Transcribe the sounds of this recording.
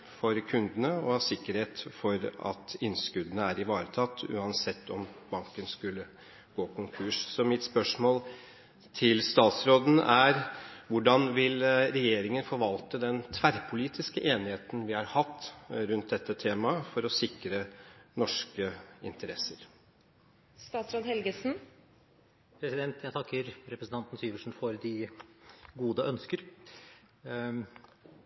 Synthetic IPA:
fɔɾkʰʉnd̪ənəɔɑsɪkːəɾheːt̪fɔɾɑ̰t̪ɪnskʉd̪ənəæɾɪʋɑːɾət̪ʰɑt̪ːʉ̰ːɑnsɛt̪ʰːɔmbɑŋkənskʉlːə | ɡ̥oːkʰʊŋkʰʉːʂsɔmɪt̪spœʂmoːl | t̪ʰɪlst̪ɑːt̪sɾoːd̪n̩æɾʋʊɖɑnʋɪlɾɛjeːɾɪŋənfɔɾʋɑlt̪əd̪ɛnt̪ʰʋæɾpʰʊliːt̪ʰɪskəʔeːnɪheːt̪n̩ʋɪhɑɾhɑt̪ːɾʉnt̪̚d̪ɛt̪ʰːət̪ʰeːmɑfɔɾɔsɪkɾənɔʂkəɪ̰nt̪əɾɛsːəɾ | st̪ɑːt̪sɾoːd̪hɛlɡəsn | pʰɾɛsɪd̪ɛnt̪jæɡt̪ʰɑkːəɾɾɛpɾəsn̩t̪ɑnt̪n̩syːʋəʂn̩fɔɾd̪ɪ | ɡuːd̪əʔœnskəɾ

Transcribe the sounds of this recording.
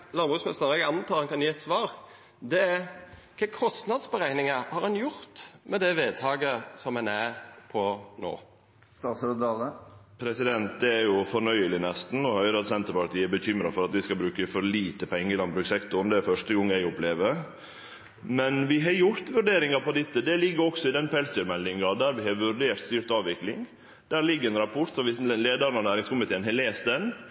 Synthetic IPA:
lɑnbʁʉːksmɛst̪əɾɛɡɑnt̪ʰɑːɑnkʰɑnjiːɛt̪sʋɑːɾ | d̪ɛækʰɛːkʰɔst̪nɑd̪sbəɾæɪnɪŋəhɑɾɑnjʊɾt̪mɛd̪ɛʋeːd̪̚t̪ʰɑːɡəsɔmɛnæpʰɔno̰ː | st̪ɑːt̪sɾd̪ɑləpʰɾɛsɪd̪ɛnt̪̚d̪ɛæɾjʊfɔɾnœʏəlɪnɛst̪n̩ɔhœʏɾɑt̪sɛnt̪əɾpɑɾt̪iːəɛbəçʏmɾɑfɔɾɑt̪ʋɪskɑbɾʉːkəfɔɾliːt̪əpʰɛŋːəɪlɑnbɾʉːksɛkt̪ʊɾd̪ɛæɾfœʂtəɡɔŋːæɪʊpleːʋəɾ | mɛnʋɪɦɑɾjʊɾt̪ʋʉɾɖeːɾɪŋɑpʰɔd̪ɪt̪ːəd̪ɛlɪɡːəɾɔksɔɪd̪ɛnpʰɛlsd̪yːɾmɛlːɪŋɑd̪æːɾʋɪhɑɾʋʉɾɖeːɾt̪st̪yːɾt̪ɑːʋʋɪklɪŋ | d̪̥æːɾɭɪɡːəɾɛnɾɑpʰɔɾt̪sɔmʋɪsleːd̪ɑɾənɔnæːɾɪŋskʊmɪt̪ʰeːənɦɛleːst̪̚d̪ɛn

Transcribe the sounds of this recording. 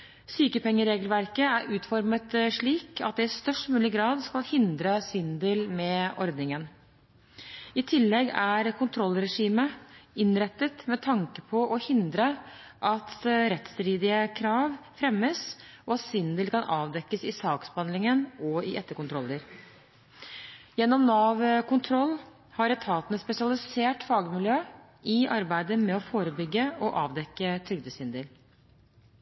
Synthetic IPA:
syːkəpɛŋːəɾeːɡəlʋæɾkəæɾʉːt̪fɔɾmət̪ʂɭiːkɑ̰t̪̚d̪ɛɪst̪œʂʈmʉːlɪɡɾɑːd̪skɑlhɪnd̪ɾəsɪnd̪elmɛɔɾd̪nɪŋən | ɪt̪ʰɪlːɛɡæɾkʊnt̪ʰɾɔlːɾɛʂiːməɪnɾɛt̪ːət̪mɛt̪ʰɑŋkəpʰɔʔɔhɪnd̪ɾəʔɑt̪ɾɛt̪st̪ɾiːd̪ɪəkʰɾɑːʋfɾɛmːəsɔɑt̪sɪnd̪əlkɑnʔɑːʋd̪ɛkːəsɪsɑːksbhɑnd̪lɪŋənɔɪʔɛt̪ːəkʊnt̪ʰɾɔlːəɾ | jɛnːɔmnɑːʋkʊnt̪ʰɾɔlː | hɑɾɛt̪ʰɑːt̪ənəspɛsɪɑlɪseːʈfɑːɡəmɪljøː | ɪʔɑɾbæɪd̪əmɛɔfoːɾəbʏɡːəɔʔɑːʋd̪ɛkːət̪ʰɾʏɡ̚d̪əsɪnd̪əl

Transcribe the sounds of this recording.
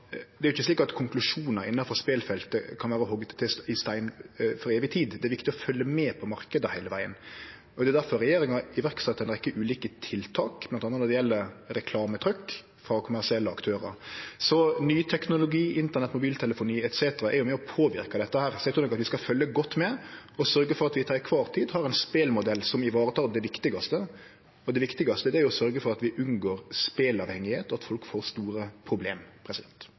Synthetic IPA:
d̪ɛɾʊɪçːəsliːkɑt̪kʰʊŋklʉʂuːnəɾɪnːɑfɔspeːlfɛlt̪əkʰɑnʋæːɾəɦɔɡːət̪t̪ːɪsɪst̪æɪnfɔɾeːʋɪt̪ʰiːd̪d̪ɛæɾʋɪkt̪ɪɔfœlːəmɛːpʰɔmɑɾkəd̪əhæɪləʋæɪə̰n | ɔd̪ɛd̪æɾfɔɾɛjeːɾɪŋɑɪʋæɾksɛt̪ʰːɛnəʁɪkːəʔʉːliːkət̪ʰɪlt̪ʰɑːkmlɑnɑnənɔd̪ɛjɛlːəɾɛkʰlɑːmət̪ʰɾʏkː | fɾɑkʰʊmæʁʂɪɛlːəɑkt̪ʰøːɾə̰ɾsɔnyːt̪ʰɛknʊlʊɡiːʔɪnt̪əʁnɛt̪ːmʊbiːlt̪ʰɛləfʊniːɛt̪seːt̪əɾɑʔɛ̰ɾjʊmɛːɔpʰoːʋɪ̰ɾkɑd̪ɛt̪ːəhæːɾsɔɛt̪ʰʊnɔkɑt̪ʋɪskɑfœljəɡɔt̪ːmɛɔsœɾɡəfɔɾɑt̪ʋɪt̪ʰɑːɾɪkʰʋɑːʁt̪ʰiːd̪hɑɾɛnspeːlmʊd̪ɛlːsɔmɪʋɑːɾət̪ʰɑːld̪ɛʋɪkt̪ɪɡɑst̪ə | ɔd̪ɛʋɪkt̪ɪɡɑst̪əd̪ɛæɾjʊɔsœɾɡəfɔɾɑt̪ʋɪʔʉnɡoːɾspeːlɑʋhɛŋɪheːt̪ɔɑt̪fɔlkfoːɾst̪uːɾəpʰɾʊbleːmpʰɾɛsɪd̪ɛnt̪

